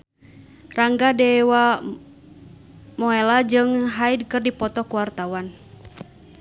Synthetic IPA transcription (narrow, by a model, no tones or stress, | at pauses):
raŋɡadɛwa | mɔɛlad͡ʒɨŋɦaid̚kɨrdipɔt̪ɔkuwart̪awan